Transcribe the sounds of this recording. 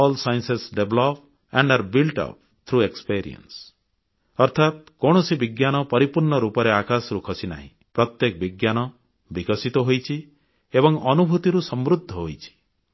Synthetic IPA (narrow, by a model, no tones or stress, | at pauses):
ɔlsajnsesɖeblɔp | aɳɖaɾbilʈɔ̰p̚ʰ | t̪ʰɾuekspiɾḭɔ̰ns | ɔɾt̪ʰat̪̚kɔɽ̃ɔsibiɡjanɔpɔɾipuɾɳɔɾupɔɾeakasɾukʰɔsina̰ɦḭ̃pɾɔt̪jekɔbiɡjanɔ | bikɔsit̪ɔɦojt͡ʃʰi | ebɔŋɔnubʱut̪iɾusɔmɾud̪ʱːɔɦojt͡ʃʰi̥